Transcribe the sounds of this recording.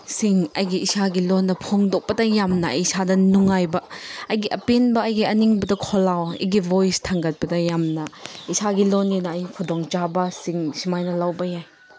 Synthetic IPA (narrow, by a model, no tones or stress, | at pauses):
siŋɐjɡiisaɡilɔnːɐpʰɔŋdɔk̚pɐtɐjamnɐ̰sadɐnuŋajbɐɐjɡiʔɐpenbɐɐjɡiɐniŋbɐdɐkʰɔlawḭɡibojstʰaŋɡɐt̚pɐtɐjamnɐisaɡilɔninɐɐjkʰɔdɔŋt͡ʃabɐsiŋsimajnɐlawbɐjaj